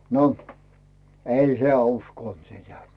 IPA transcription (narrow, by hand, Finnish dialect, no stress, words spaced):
no ei heæˑ uskoˑnt sitæ